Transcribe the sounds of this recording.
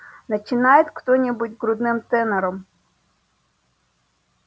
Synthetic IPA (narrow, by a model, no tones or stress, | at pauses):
nɐt͡ʃɪnɑjet̪ʲxt̪ɔnʲibutʲɡɾʊd̪nɪmt̪ɛneɾɔm